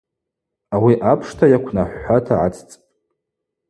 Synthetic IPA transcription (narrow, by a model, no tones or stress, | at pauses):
awiʔapʰʂtʰajakʷʰnaħʷːatʰaʕa̰t͡sʰʼt͡sʼpʼ